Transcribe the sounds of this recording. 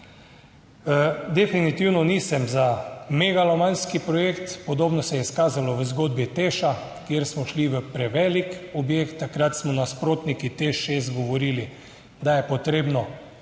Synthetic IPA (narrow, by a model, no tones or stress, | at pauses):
d̪ɛfinit̪iwnɔnisɛmzameɡalɔmanskipɾɔjekt̪pɔd̪oːbnɔsɛjɛiskaːzalɔʋəzɡoːd̪̚bit̪eʃa | kjeɾsmɔʃliʋəpɾɛʋɛlikɔbjeːkt̪ːakɾat̪smɔnaspɾoːt̪nikit̪eʃezɡoʋoɾiːli | d̪ajɛpɔt̪ɾeːbnɔ